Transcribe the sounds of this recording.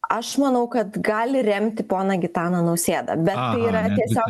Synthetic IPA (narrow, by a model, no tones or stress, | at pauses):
ɐʃmɐnɐʊkɐt̪ɡɑːlʲɪɾʲɛmʲt̪ʲɪpoːnɐɡʲɪt̪ɑːnɐnɐʊsʲeːd̪ɐ̰bʲɛt̪t̪ɐɪiːɾɐt̪ʲiɛsʲoː